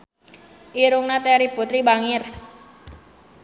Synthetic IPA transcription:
ʔiɾʊŋnat̪ɛɾiput̪ɾibaŋɪr

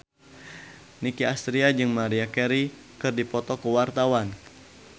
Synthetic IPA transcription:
nikiast̪ɾiad͡ʒɨŋmaɾiakɛɾi | kɨrdipɔt̪ɔkəwart̪awan

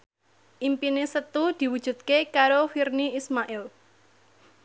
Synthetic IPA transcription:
ʔimpinesət̪ud̪̥i̤wud̥ʒ̥ṳt̪̚kekaɾofirniismaʔɪl

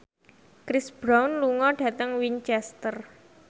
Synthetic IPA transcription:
kɾɪsb̥ɾawnluŋɔɖ̥a̤t̪əŋwiɲt͡ʃɛst̪ər

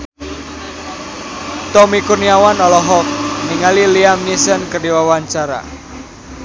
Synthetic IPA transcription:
t̪ɔmikurniawanɔlɔɦɔk̚niŋaliliamnisənkərdiwawaɲt͡ʃaɾa̰

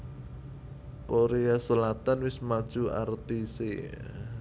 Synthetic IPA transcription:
koɾeasəlat̪anwɪsmad̥ʒ̥ua̰rt̪isḛ

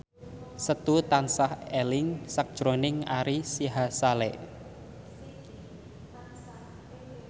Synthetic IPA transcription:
sət̪ut̪ansahɛlɪŋsak̚d̥ʒ̥ɾonɪŋa̰ɾisiɦasalɛʔ

